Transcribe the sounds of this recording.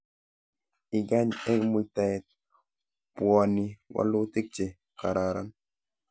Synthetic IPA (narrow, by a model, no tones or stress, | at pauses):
iɡaɲɛkmujt̪aɛt̪̚ | puaniwa̰lut̪ik̚t͡ʃe | kaɾaɾan